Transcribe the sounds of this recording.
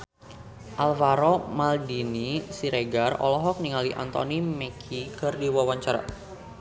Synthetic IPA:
ʔalvaɾomaldinisiɾeɡarɔ̰lɔɦɔk̚niŋaliʔa̰nt̪ɔ̰nimɛkʰikɨrdiwawaɲt͡ʃaɾa̰

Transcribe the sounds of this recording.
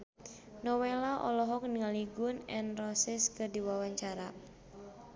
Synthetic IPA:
nɔwelaʔɔ̰lɔɦɔk̚niŋaliɡunɛnrɔsɛskɨdiwawaɲt͡ʃaɾa

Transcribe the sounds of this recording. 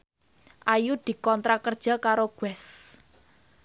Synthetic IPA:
ʔajud̪̥i̤kɔnt̪ɾakərd̥ʒ̥a̤kaɾoɡ̥wɛs

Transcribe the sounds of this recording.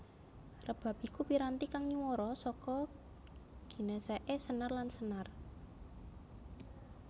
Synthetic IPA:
rəb̥a̤p̚ikupiɾant̪ikaŋɲuwɔɾɔsɔkɔ | ɡ̥i̤neseʔesənarlansənar

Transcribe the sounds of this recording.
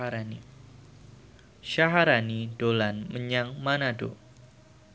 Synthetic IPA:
aɾani | ʃaɦaɾanidolanməɲaŋmanado̰

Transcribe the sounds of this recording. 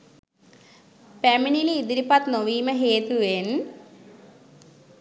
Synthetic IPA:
peminiliːd̪iɾipɐt̪noʋiːmɐɦeːt̪uen

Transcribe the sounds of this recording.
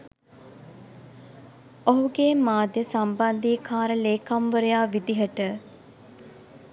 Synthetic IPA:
oɦuɡeːmaːd̪jəsamband̪iːkʰaːɾəleːkamʋəɾəjaːʋid̪iɦəʈə

